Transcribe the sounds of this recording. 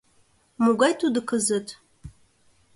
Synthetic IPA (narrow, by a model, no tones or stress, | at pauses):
muɡʷajtʰʼudɨkʰɐzɨtʰʼ